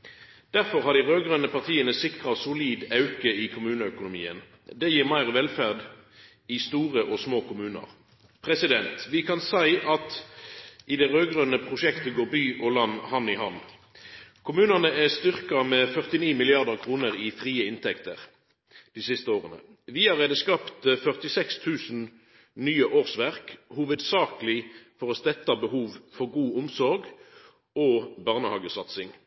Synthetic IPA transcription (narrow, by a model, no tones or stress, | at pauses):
d̪̥æʁfɔʁhɑʁd̪iʁøːɡʁœnəpʰɑʁt̪ʰiːənəsɪkʁɑsʊliːd̪ɑʉkəɪkʰʊmʉːnəœkʊnʊmḭːən | d̪ɛjiːʁmæɪʁʋɛlfæʁd̪ | ɪst̪uːʁəʔɔsmoːkʊmʉːnə̰ʁ | pʰʁɛsɪd̪ɛnt̪ʋɪkʰɑnsæɪʔɑt̪ | ʔɪd̪ɛʁøːɡʁœnəpʰʁʊʃɛkt̪əɡoːʁbyːʔɔlɑnːhɑnːɪhɑnː | kʰʊmʉːnɑnəæst̪ʏʁkɑmɛːfœʁt̪ɪniːmɪlɪɑʁd̪əʁkʰʁuːnəʁɪfʁiːəɪnt̪ʰɛkt̪əʁ | d̪̥isɪst̪əoːʁənə̰ | ʋɪɑʁeːd̪əskɑpt̪fœʁt̪ɪsɛkst̪ʰʉːsn | nyːəʔoːʁsʋæʁkhuːʋəd̪sɑːkəlɪfɔʁɔst̪ɛt̪ːɑbəhuːʋfɔʁɡuːʊmsɔʁɡ | oːbɑʁnəhɑːɡəsɑt̪sɪŋ